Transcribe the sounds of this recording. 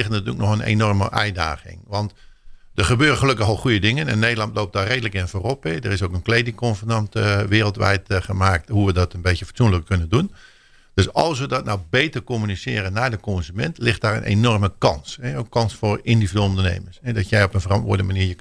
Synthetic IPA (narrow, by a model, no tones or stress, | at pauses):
ɪxətnatyələk̚nɔxənḛnɔrmə̰ʔɛ̰jda̰ːxɪ̰ŋʋɑnt | dəχəbøːrəxəløkəxɔlˠxujədɪŋənɛ̰nːeːdəlˠɑntloːp̚dɔreːdələkɪnfoːropɛdərɪsoːkənkleːdɪŋkɔnfərnɑntʋɪːrəlˠtʋɛ̰jtχəmaːk̚thuʋədɔtənbeːtjəfə̥tsunləkkønəndun | d̥øsɔlˠsʋədɔtnawbeːtərkomynisɪːɾənːadəkonzymɛntʰlɪxtdaːrə̰nʔḛnɔrməkɑnsɛokːɑnsfʊrindividəːlˠondərnḛːmərsɛdɔtjɛjopənfərɑntʋʊ̰ːdənəmaniːjə